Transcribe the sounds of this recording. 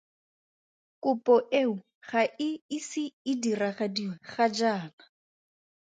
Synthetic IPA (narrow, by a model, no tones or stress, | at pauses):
kʼʊpʼɔʔeʊ | χaʔɪɪsɪɪdiraχadiweχad͡ʒaːna